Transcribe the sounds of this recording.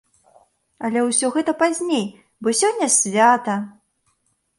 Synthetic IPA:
ɐlʲɛwsʲɔɣɛt̪ɐpazʲnʲej | bɔsʲɔnʲːɐsʲvʲat̪ɐ

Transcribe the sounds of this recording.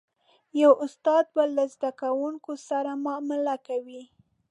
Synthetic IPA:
jawʔʊst̪ɑd̪̚balazd̪akawuŋkosaɾamɑmɪlakawi

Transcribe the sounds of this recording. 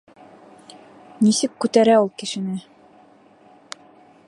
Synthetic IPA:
nisɘkːʉt̪æɾæulˠkɘ̆ʃɘ̆nɘ

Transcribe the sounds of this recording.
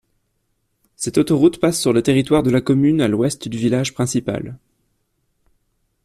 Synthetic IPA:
sɛt̪ot̪ɔʁut̪pasːyʁlet̪eʁit̪waʁd̪əlakɔmynalwɛst̪d̪yvilaʒpχɛ̃sipa̰l

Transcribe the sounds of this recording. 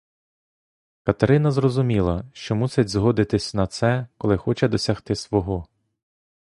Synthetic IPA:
kɐt̪eɾɪnɐzrɔzʊmʲilˠɐʃt͡ʃɔmusʲɪtʲzɦɔd̪ɪt̪ɪsʲnɐt̪sɛkɔlˠɪxɔt͡ʃɛd̪ɔsʲɐxt̪ɪsʋɔɦɔ

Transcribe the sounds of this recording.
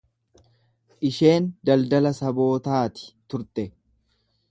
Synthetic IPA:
ʔɪʃe̞ːnd̪ɐld̪ɐlɐsɐbo̞ːt̪aːt̪ɪ̥t̪ʊɾt̪ɛ

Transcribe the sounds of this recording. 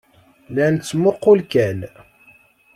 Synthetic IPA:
lænt͡sːmoqːʊlkæn

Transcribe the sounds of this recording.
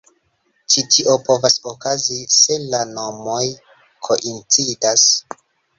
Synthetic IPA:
t͡ʃitʰiʔo̞po̞vasokazise̞lano̞mo̞j | kʰo̞ʔint͡sidas

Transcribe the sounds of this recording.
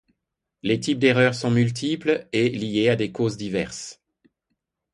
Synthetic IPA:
let̪ip̚d̪eʁœʁsɔ̃mylt̪ʰiplelijead̪ekozd̪ivɛʁs

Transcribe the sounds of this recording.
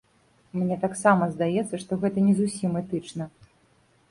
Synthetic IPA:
mnʲɛt̪aksamɐzd̪ajɛt̪sːɐʂt̪ɔɣɛt̪ɐnʲɛzusʲimɛt̪ɨt͡ʂnɐ

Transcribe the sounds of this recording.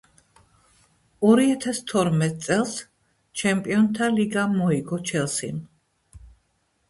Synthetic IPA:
ɔɾiat̪ʰast̪ʰɔɾmɛt̪ʼt̪sʼɛlˠs | t͡ʃʰɛmpʼiɔnt̪ʰaliɡamɔiɡɔt͡ʃʰɛlˠsḭn

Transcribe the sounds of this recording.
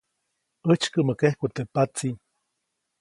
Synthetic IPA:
ət͡ʃkəməkehkut̪epat͡si

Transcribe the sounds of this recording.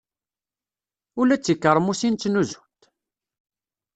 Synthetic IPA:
ʊlæt͡sːikːəɾˤmusinːnuzu̥t̪

